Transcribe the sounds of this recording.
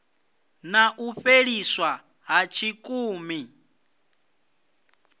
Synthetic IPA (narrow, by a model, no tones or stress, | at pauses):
naʔuɸeɺiswa | ɦat͡ʃʰikʼuːmi